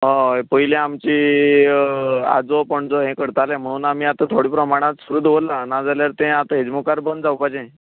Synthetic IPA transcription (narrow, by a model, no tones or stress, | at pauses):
ɦə̃pəɦilẽamt͡ɕiː | a̰d͡zopəɳd͡zoɦẽkəɽt̪alem̤əɽ̃uːnamiːat̪ət̪ʰoɽiːpɾəmaɽ̃ãt̪suɾuːd̪ʋolanad͡zaljaɾt̪ẽat̪əɦed͡zmukaɾbənd̪d͡zawpad͡ʑẽ